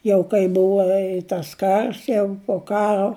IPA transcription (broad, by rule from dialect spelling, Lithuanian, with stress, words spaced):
ˈjɛʊ kɐɪ ˈbʊʋɐ ɪ tɐs ˈkɐrs jɛʊ pʊ ˈkɑːroː